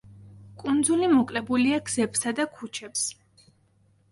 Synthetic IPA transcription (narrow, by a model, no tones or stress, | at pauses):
kʼund̪zulimɔkʼlɛbuliaɡz̥ɛbsad̪akʰut͡ʃʰɛps